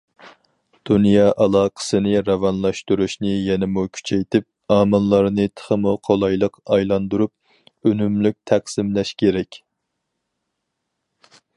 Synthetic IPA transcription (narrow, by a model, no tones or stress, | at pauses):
d̪̥unjɑʔɑlˠɑːqʰə̥sɨnɨɾɑvɑnlˠɑʃt̪uɾuʃnɨjɛnɪmukʲʰy̥t͡ʃʰɛjt̪ʰɪp̚ɑːmɨnlˠɑɾnɨt̪ʰə̥χəmuqʰolˠɑjlˠəqɑjlˠɑnd̪uɾup̚ | ønymlyk̚ʲt̪ʰæqsɪmlɛʃkʲʰeɾɛkʲ